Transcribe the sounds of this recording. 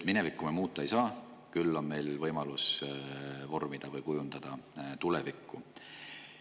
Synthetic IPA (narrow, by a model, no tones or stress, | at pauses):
t̪mine̞vikːˑumemuːt̪ːˑɑejsɑː | kylːo̞nme̞jlvɤjmɑlus | vo̞rmid̪̥ɑvɤjkujund̪̥ɑd̪̥ɑt̪ulevikːˑu